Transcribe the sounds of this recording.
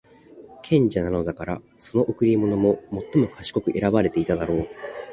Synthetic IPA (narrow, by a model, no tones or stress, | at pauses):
kʰẽ̞ɲ̟d͡ʑanano̞d̪akaɾa | so̞no̞ʔɯkɯ̟ɾʲimo̞no̞mo̞mo̞t̪ːo̞mo̞kʰaɕi̥ko̞kɯ̟ʔe̞ɾabaɾe̞t̪e̞it̪ad̪aɾo̞ː